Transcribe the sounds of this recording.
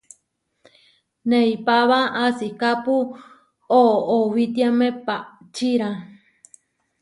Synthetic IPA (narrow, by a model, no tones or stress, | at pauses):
neipaβaʔasikapu | ooβit̪iamẽpaʔ | t͡ʃiɾã